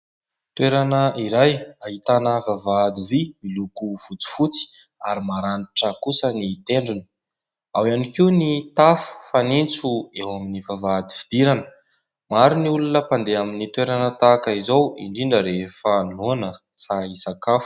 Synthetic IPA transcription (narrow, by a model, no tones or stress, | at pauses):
t̪weɾanəiɾajaɦit̪anəvavad̪ivimilukufut͡si̥fut͡si̥ | aɾimaɾaniʈ͡ʂəkusənit̪eɳɖ͡ʐinə̥ | awanikiunit̪afə̥fanint͡suewaminivavad̪ivid̪̥iɾanə̥ | maɾiniulunəpand̪eaminit̪weɾanət̪akaizowḭɳɖ͡ʐiɳɖ͡ʐəɾefənonə | saisakafu̥